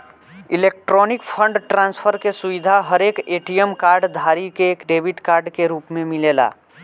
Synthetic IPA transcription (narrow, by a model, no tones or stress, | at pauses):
ilek̚ʈɾɔnikpʰə̃ɳɖʈɾãnspʰəɾkesuʋid̪ʱaɦəɾekeʈiemkaɾɖd̪ʱaɾikeːkɖebʱiʈkaɾɖkeɾupmemilela̰